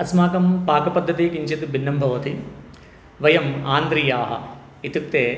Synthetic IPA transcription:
ɐsmaːkɐmpaːkɐpɐd̪ʱːɐt̪iːkiɲt͡ʃet̪ubʱinːɐmbʱɐʋɐt̪i | ʋɐjɐmaːnd̪ɾijaːɦɐ̰ | it̪uk̚t̪eː

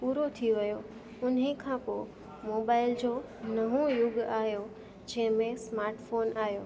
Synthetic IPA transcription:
puːɾot̪ʰiʋɐjo | ʊnikʰãːpoː | moːbaːɪld͡ʑoː | nɐɦõjʊɠaːɦijo | d͡ʑɐ̃ɦɪ̃mẽsmaːɾʈfoːnaːɦijoː

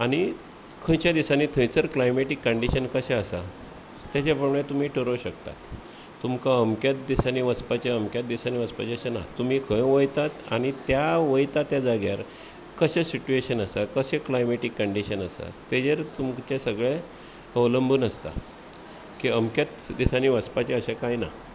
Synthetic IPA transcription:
aɽ̃i | kʰə̃jt͡ɕjad̪isaniːt̪ʰə̃jt͡səɾklajmeʈikːəɳɖiɕənkəseəsa̰ | t̪jat͡ɕjapəmɳẽt̪um̤iːʈʰəɾəwɕəkt̪a̰t̪ː | umkaəmkjat̪̚d̪isaniʋəspat͡ɕaəmkjat̪̚d̪isaniʋəspat͡ɕaɕanat̪ːum̤iːkʰə̃jʋəjt̪at̪a̰ɽ̃it̪jaʋəjt̪at̪jad͡zaɡja̰ɾ | kəɕẽsit͡ɕueɕənəsakəɕeklajmeʈikːəɳɖiɕənəsa̰t̪ed͡ʑəɾt̪umt͡ɕasəɡɭe | əʋləmbʱəːnəst̪a̰ | kiəmkjat̪d̪isaniːʋəspat͡ɕeəɕakajna̰

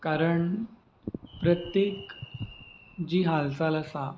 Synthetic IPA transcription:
kaɾəɳ | pɾət̪jek | d͡ʑiːɦalsaləsa

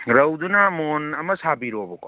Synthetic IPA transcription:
ɾɐwdunamonɐmɐsabiɾobɔko

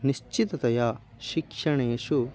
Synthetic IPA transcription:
niʃt͡ʃit̪ɐt̪ɐja | ʃikʂɐɳeʃu

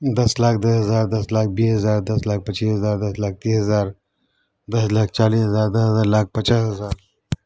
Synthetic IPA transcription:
d̪ɐslaːkʰd̪ɐsɦɐzaːɾd̪ɐslaːk̚ʰbiːsɦɐzaːɾd̪ɐslaːk̚pət͡ʃiːsɦɐzaːɾd̪ɐslaːk̚t̪iːsɦɐzaːɾ | d̪ɐslaːk̚ʰt͡ʃaːliːsɦɐzaːɾd̪ɐsɦɐzaːɾlaːk̚ʰpət͡ʃaːsɦɐzaːɾ

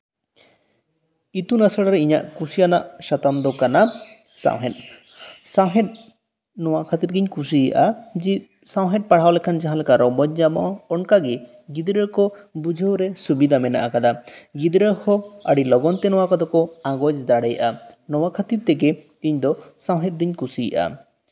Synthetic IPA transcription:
it̪unasaɽaɾɛiɲa̰ʔkusijanaʔʃat̪amd̪ɔkana | sa̰wɦɛt̪̚ˀ | sãwɦɛt̪̚ | nɔwakʰat̪iɾɡiɲkus̬iʔad͡ʒi | sãwɦɛ̃t̪̚paɽ̤awlɛkʰand͡ʒaɦãlɛkaɾɔbɔɲd͡ʒabɔ̰ʔaɔnkaɡɛ | ɡid̪ɾəkɔbud͡ʒʱəwɾɛsubid̪ʱamɛna̰ʔakad̪aɡid̪ɾəhɔaɽilɔɡɔnt̪ɛnɔwakad̪ɔkɔãɡɔd͡ʒd̪aɽɛjʔanɔwakʰat̪iɾt̪ɛɡɛ | iɲd̪ɔsãwɦɛt̪̚d̪iɲkusḭʔa̰

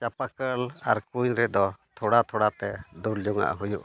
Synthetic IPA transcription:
t͡ʃapakəla̰ɾkuɲɾɛd̪ɔt̪ʰɔɽat̪ʰɔɽat̪ɛd̪uld͡ʒɔŋa̰ʔɦujuʔ

